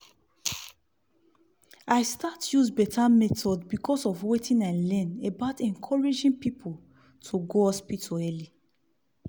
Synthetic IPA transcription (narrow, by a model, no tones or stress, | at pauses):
aɪstatjuzbɛtʰamɛtʰɔdbikʰɔsɔfwetĩnaɪlɛ̃nebaʊtɛ̃ŋkʰɔɹid͡ʒĩŋpipʰol | tʰuɡoɔspitʰoɛli